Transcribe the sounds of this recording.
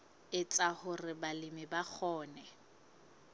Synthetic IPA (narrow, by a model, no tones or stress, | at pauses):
ɪt͡sʼahʊrɪbalɪmɪbak͡xʰɔːnɛ